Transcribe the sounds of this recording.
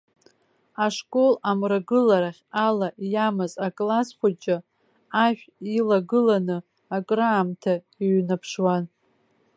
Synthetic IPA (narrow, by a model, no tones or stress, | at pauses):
aʂkʼo̞lamraɡɨlaɾaχʲalaʔjamɨzakʼlasχʷat͡ʃʼɪ | aʃᶣilaɡɨlanɨ | akʼraːmtʰa | iɥnapʰʂwan